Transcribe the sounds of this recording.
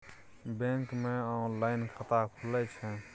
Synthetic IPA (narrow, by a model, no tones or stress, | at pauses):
bẽŋkmẽɔnlaːɪnkʰət̪akʰulɛt͡ʃʰɛ̃